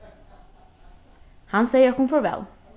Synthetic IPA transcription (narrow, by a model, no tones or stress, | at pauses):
hanseɪjəɔkunfɔɹʋɛ̰l